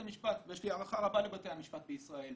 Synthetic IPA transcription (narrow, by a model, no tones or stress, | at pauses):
amiʃpat̪vjeʃliaʁaχaʁabalebat̪e̞hamiʃpat̪̚beisʁae̞l